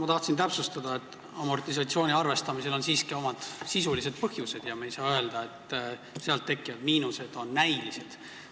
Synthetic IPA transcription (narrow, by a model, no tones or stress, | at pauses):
mɑt̪ɑht̪sint̪æpsust̪ɑd̪ɑe̞t̪ːˑ | ɑmo̞rt̪is̬ɑt̪sio̞ːnʲiɑrve̞st̪ɑmise̞lo̞nsiːskio̞mɑd̪̥sisulise̞d̪̥̚pɤhjuse̞d̪̥jɑmejsɑːøeld̪̥ɑe̞t̪ | seɑlt̪ːe̞kːˑijɑd̪miːnuse̞d̪̥o̞nːæjlise̞d̪̥